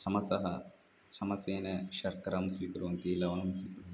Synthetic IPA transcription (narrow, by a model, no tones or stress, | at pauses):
t͡ʃʰɐmɐsɐɦɐ | t͡ʃʰɐmɐseːnɐʃɐɾkɐɾɐmsʋiːkɐɾuʋɐnkeːlɐʋɐnɐmsʋiːkɐɾu